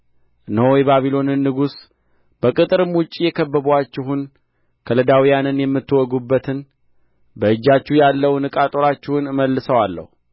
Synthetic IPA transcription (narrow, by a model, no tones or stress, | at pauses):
nəwjbaβilo̞nɨnːɨɡus | b̥əkʼɨt̪ʼɨɾɨmwʊt͡ʃʼːijɛkʰəbːəβat͡ʃːɪɦun | kʰələd̪awijanɨnjɛmːɨt̪ːɨwɔɡubːət̪ʰɨn | bəɨd͡ʒːat͡ʃːuhjalːəwnɨkʼat̪ʼoɾat͡ʃːɪhunməlːɨsəwalːə̰hu